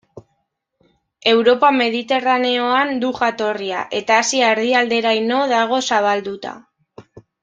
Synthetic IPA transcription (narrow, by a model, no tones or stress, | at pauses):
e̞wɾo̞pame̞ðit̪e̞rane̞o̞and̪uʝat̪o̞ria̰ʔe̞t̪aːsiaeɾðiald̪e̞ɾajno̞ðaɣ̞o̞saβ̞ald̪ut̪a̰